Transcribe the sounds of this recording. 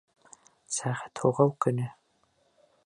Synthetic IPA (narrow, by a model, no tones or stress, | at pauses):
saːʁɐ̥tʰoːʁɐwkʰʼɨnɨ